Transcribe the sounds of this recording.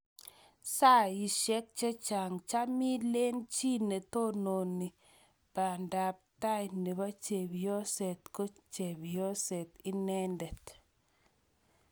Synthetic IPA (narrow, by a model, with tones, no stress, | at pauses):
sa˦˨i˨ʃɛ˦k̚t͡ʃe˦t͡ʃa˨ŋt͡ʃa˦mi˦le˦nt͡ʃi˦ne˨to˦no˨ni˨ | pa˨nda˨p̚ta˦jne˨ba˦t͡ʃe˨bjɔ˦sɛ˨t̪ko˦t͡ʃe˨bjɔ˦sɛ˨tɪ˦nɛ˦ndɛ˨t̪